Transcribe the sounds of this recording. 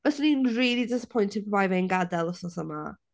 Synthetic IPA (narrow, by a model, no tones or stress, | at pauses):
vɛsninriːlˠidɪsəpʰɔjntʰɪvajvɛnɡadɛlˠəsɔsəma